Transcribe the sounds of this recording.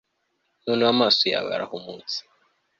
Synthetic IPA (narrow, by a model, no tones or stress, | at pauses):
nunuamasɔja̰βa̰ɾa̰humut͡si̥